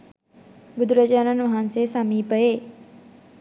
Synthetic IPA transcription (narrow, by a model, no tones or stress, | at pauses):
bud̪ʱuɾɐd͡ʒaːnɐnʋɐɦanseːsɐmiːpəjeː